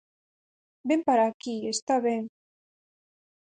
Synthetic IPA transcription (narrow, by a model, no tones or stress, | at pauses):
bempaɾakiest̪aβen